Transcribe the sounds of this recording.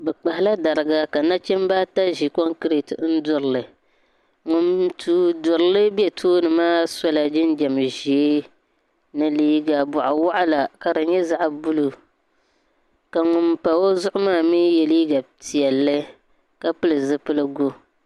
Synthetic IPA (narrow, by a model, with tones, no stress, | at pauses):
bɛ˨k͡pa˨hɪ˨˦la˦da˨ɾɨ˨ɡa˨ka˨na˦t͡ʃɛ˦m˦ba˦ta˦ʒi˨kɔ˦ŋkɾi˨tɨ˨˦n̩˦dʊ˨ɾɨ˨lɨ˨ | ŋʊ˨mtʰuː˦dʊ˨ɾɨ˨˦lɨ˦bjɛ˦tʰoː˦nɨ˨maː˦sa˦la˨d͡ʒɪ˦nd͡ʒɛ˨m˨ʒi˨e˦ | nɨ˨liː˦ɡa˨bʊ˨ʔa˨wa˦ʔa˦la˨ka˨dɨ˨ɲɛ˦za˦ʔbu˦lu˨ | ka˨ŋʊ˨mpa˨wo˦zʊ˦ʔʊ˦maː˦˨miː˦jɛ˨liː˦ɡa˨ti˨ɛ˨lːɨ˦ | ka˦pɨ˦lɨ˨zɨ˦pɨ˦lɨ˦ɡo˦